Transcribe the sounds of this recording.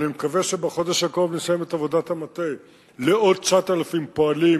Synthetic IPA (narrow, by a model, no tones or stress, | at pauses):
nimekaveʃebeχo̞d̪eʃakoovnesajemetavo̞datamat̪ej | leo̞d̪̚t͡ʃatalafimpoali